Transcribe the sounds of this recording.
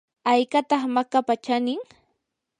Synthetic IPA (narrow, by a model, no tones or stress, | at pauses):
ajkat̪ɑχmakapat͡ʃanɪŋ